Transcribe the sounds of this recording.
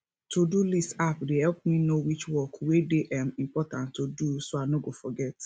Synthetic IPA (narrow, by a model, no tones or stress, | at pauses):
tʰodulistapdehɛlp̚mĩnowit͡ʃwɔkwedeʔãmĩmpɔtãntʰːodusoanoɡofɔɡɛt